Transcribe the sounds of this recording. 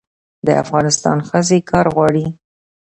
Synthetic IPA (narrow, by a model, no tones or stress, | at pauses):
d̪ə̰a̰fɣɑnɪst̪ɑ̰nxəzekʰɑɾɣwɑɽi